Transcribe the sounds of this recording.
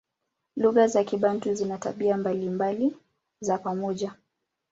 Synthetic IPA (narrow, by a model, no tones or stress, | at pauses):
luɣazakiɓan̩tuzinata̰ɓiambalimbali | zapamɔʄa